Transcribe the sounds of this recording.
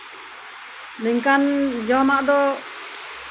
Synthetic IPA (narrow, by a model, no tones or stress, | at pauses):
nəŋkand͡ʒɔmaʔd̪ɔ